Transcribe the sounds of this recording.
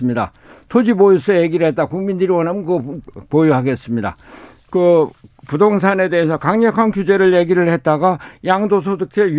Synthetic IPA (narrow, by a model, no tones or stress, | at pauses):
mɲida̰ | tʰod͡ʑibojus͈ʰʌje̞ɡiɾɯɭɦe̞t̚t͈akuŋmindɯɾiwʌnɦamɯnkɯʌpojuɦaɡe̞s͈ɯmɲida̰ | kɯpudoŋs̬ʰane̞de̞esʰʌkaŋɲʌkʰankjud͡ʑe̞ɾɯɭje̞ɡiɾɯɭhe̞t̚t͈aɡajaŋdosʰodokʰe